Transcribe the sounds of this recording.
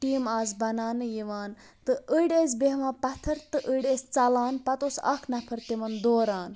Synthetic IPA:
ʈiːmaːzbɐnaːnɨjiʋaːn | t̪ɨʔəɽeːzbeɦʋãːpɐt̪ʰɐɾt̪ɨʔəɽest͡sɐlaːnpɐt̪oːsɐ̰kʰnɐpʰɐɾt̪imɐnd̪oːɾaːn

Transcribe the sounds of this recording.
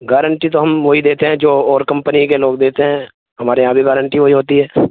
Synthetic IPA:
ɡɛːɾə̃ɳʈit̪oɦɐmʋoːɦid̪eːt̪eɦɛ̃d͡ʒoːɔːɾkɐ̃mpənikeloːɡd̪eːt̪eɦɛ̃ː | ɦɐmaːɾeãːbʱiɡɛːɾə̃ɳʈiʋoɦiɦoːt̪iɦɛː

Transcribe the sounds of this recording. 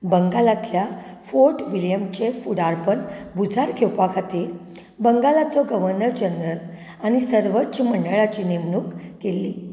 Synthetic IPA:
bəŋɡalat̪lja | foɾʈʋiljəmt͡ɕefuɽaɾpəɳbud͡zʱaɾkʰewpakʰat̪iːɾ | bəŋɡalat͡sɔɡəʋəɾnəɾd͡ʑənɾəl | añisəɾʋətɕməɳɖəɭat͡ɕiːnemnuːkːelːiː

